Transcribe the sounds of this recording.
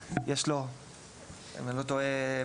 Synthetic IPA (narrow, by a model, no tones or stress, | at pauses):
jeʃlo | melot̪oe